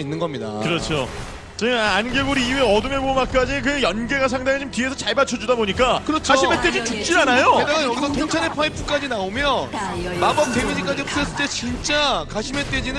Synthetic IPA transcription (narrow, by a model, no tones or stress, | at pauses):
inːɯnɡʌmɲida̰kɯɾʌt͡ɕʰo | t͡ɕeanɡeɡuɾiːeʌdɯmjʌmomak̚k͈ad͡ʑik̬ɯjʌnɡe̞ɡas̬ʰaŋdaŋit͡ɕomtie̞sʰʌt͡ɕaɭbat͡ɕʰʌd͡ʑudaboɲik͈akɯɾʌt͡ɕʰaɕʰime̞t͈ed͡ʑit͡ɕuk̚t͡ɕ͈iɾanajoɯdajʌɡisʰʌt̪ʰoŋt͡ɕʰaɾepʰaepʰuk͈ad͡ʑinaomjʌnmabʌp̚t̪͈emid͡ʑik͈ad͡ʑiops͈es͈ɯɭt͈e̞t͡ɕint͡ɕ͈akaɕʰime̞t͈e̞d͡ʑinɯ